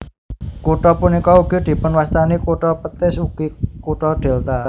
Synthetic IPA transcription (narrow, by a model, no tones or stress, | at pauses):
kuʈɔpunikɔuɡ̥i̤d̪̥i̤pʊnwast̪anikuʈɔpət̪ɪsuɡ̥ikuʈɔɖ̪̥ɛ̤lt̪a